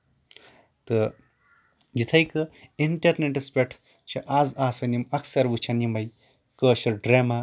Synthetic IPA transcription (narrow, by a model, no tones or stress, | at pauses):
t̪ə | d͡ʒit̪ʰɐjkəiɳʈɐɾneʈɐspʲeʈʰ | t͡ʃʰɐʔaːzaːsɐnimɐksɐɾʋɨt͡ʃʰanimɐj | kəːɕɐɾɖɾeːma